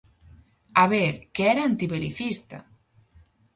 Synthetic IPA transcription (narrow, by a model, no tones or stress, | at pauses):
aβeɾkeɛɾaant̪iβelḭθist̪a̰